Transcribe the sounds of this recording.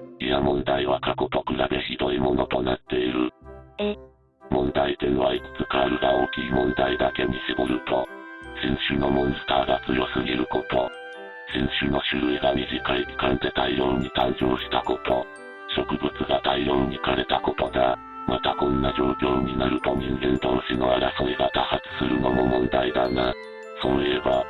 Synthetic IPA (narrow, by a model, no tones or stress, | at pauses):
ijamõ̞nd̪aiβakako̞t̪o̞kɯ̟ɾabe̞çid̪o̞imo̞no̞t̪o̞nat̪ːe̞iɾɯ̟ | mõ̞nd̪aid̪enoβait͡sɨ̥t͡sɨkaɾɯ̟ɡao̞ːkʲiːmõ̞nd̪aid̪ake̞ɲ̟isɨɡoɾɯ̟t̪o̞sẽ̞ɰ̃ɕɨno̞mõ̞nsɨ̥t̪aːɡat͡sɨjo̞sɨɡʲiɾɯ̟ko̞t̪o̞ | sẽ̞ɰ̃ɕɨno̞ɕɨɾɯ̟iɡamʲiʑikaiki̥kãnt̪e̞t̪aiɾoɾɲ̟it̪ãɲ̟d͡ʑo̞ːɕi̥t̪ako̞t̪o̞ | ɕo̞kɯ̟bɯ̟t͡sɨɡat̪aiɾo̞ɾɯɲ̟ikaɾe̞t̪ako̞t̪o̞ɡ̪a | mat̪akõ̞nːad͡ʑo̞ːkʲo̞ːɲ̟inaɾɯ̟t̪o̞ɲ̟ĩŋɡẽ̞nt̪o̞ːɕino̞aɾasoɾeɡat̪ahat͡sɨ̥sɨɾɯ̟no̞mo̞mõ̞nd̪aid̪ana | so̞ːieba